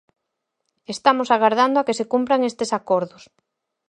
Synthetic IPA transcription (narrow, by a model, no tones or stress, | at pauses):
est̪amosaɣaɾð̞and̪oakesekumpɾaŋest̪esakɔɾðos